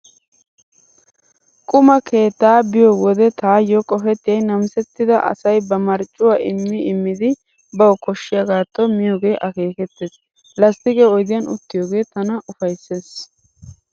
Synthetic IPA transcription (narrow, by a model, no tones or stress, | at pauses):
kʼʊmɐkʰe̞ːt̪ːaːbɪjoːwɔd̪ɛt̪aːjɔkʼɔfɛt̪ːɪjɐjnɐmsɛt̪ːɪd̪ɐʔɐ̰sɐjbɐmɐɾt͡ʃʼʊwaːɪmːɪɪmːɪd̪ɪ | bɐwkɔʃːɪjaɡaːt̪ːɔmɪjoːɡe̞ːʔɐke̞ːkɛt̪ːeːs | lɐst̪ɪɡeːɔjd̪ɪjɐnʊ̰t̪ːɪjoːɡe̞ːt̪ɐnɐʔʊfɐjsːeːs